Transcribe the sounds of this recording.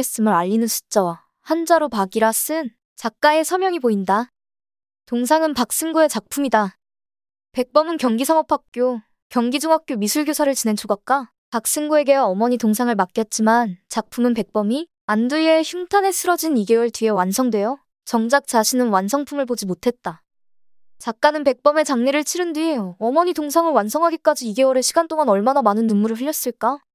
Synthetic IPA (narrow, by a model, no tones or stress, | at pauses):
es͈ɯmɯɾaʎːinɯnsʰu̥t͡ɕ͈awa | hand͡ʑaɾopaɡiɾas͈ɯn | t͡ɕak̚k͈ae̞sʰʌmjʌŋipoinda | toŋs̬ʰaŋɯnpak̚s͈ɯnɡue̞t͡ɕak̚pʰumida | pe̞k̚p͈ʌmɯnkjʌŋɡisʰaŋʌpʰak̚k͈jo | kjʌŋɡid͡ʑuŋɦak̚k͈jomisʰuɭɡjosʰaɾɯɭt͡ɕine̞nt͡ɕʰoɡak̚k͈a | pak̚s͈ɯnɡue̞ɡe̞waʌmʌɲitoŋs̬ʰaŋɯɭmak͈̚jʌt̚t͡ɕ͈imant͡ɕak̚pʰumɯnpe̞k̚p͈ʌmi | anduie̞çjumtʰane̞sʰɯɾʌd͡ʑiniɡe̞wɯɭtɥie̞wansʰʌŋdwe̞jo | t͡ɕʌŋd͡ʑak̚t͡ɕ͈aɕʰinɯnwansʰʌŋpʰumɯɭpod͡ʑimotʰe̞t̚t͈a | t͡ɕak̚k͈anɯnpe̞k̚p͈ʌme̞t͡ɕaŋne̞ɾɯɭt͡ɕʰiɾɯndiejoʌmʌɲitoŋsʰaŋɯɭwansʰʌŋɦaɡek͈ad͡ʑiːɡe̞wʌɾeɕʰiɡant͈oŋanʌɭmanamanɯnːummuɾɯɭɸɯɭjʌs͈ɯɭk͈a